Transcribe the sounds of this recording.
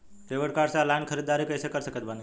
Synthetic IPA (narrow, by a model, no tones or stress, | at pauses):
teʋəɽkaɾsalankʰəɾid̪ːaɾikəjsekəɾsəkət̪bani